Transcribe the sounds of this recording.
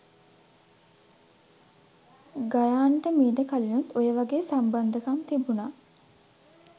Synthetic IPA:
ɡajaːɳʈəmiːɖəkalinut̪ojəʋaɡeːsamband̪əkamt̪ibunaː

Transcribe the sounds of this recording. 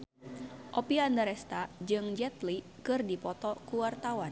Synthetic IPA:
ʔɔpiandaɾɛst̪ad͡ʒɨŋd͡ʒɛt̪li | kɨrdipɔt̪ɔkuwart̪awan

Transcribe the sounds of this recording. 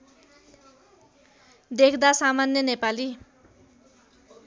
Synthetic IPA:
d̪ekʰd̪asamanjʌnepali

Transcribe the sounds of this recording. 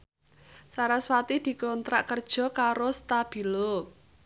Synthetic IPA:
saɾaswat̪id̪̥i̤kɔnt̪ɾa̰ʔkərd̥ʒ̥ɔ̤kaɾost̪ab̥i̤lo

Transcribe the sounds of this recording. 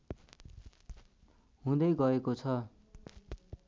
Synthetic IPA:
ɦũd̪ʌjɡʌekot͡sʰʌ

